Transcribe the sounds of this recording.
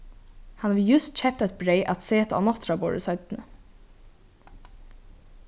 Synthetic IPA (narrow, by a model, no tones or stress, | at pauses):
hanaʋjʉst̪̚t͡ɕʰɛp̚t̪ɔt̪̚bɾeɪʔat̪seːt̪aa̰nɔht̪ɾabo̰ːɹə̰sœʏt̪nə